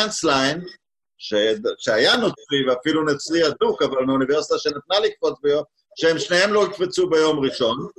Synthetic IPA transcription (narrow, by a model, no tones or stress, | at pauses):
anslajn | ʃeʃeajanot͡sʁiveafilunet͡sʁiadukavalnauniveʁsit̪aʃenet̪nalikfo̞t͡sbejo | ʃeemʃnehe̞mlo̞it̪fet͡subejo̞mʁiʃo̞n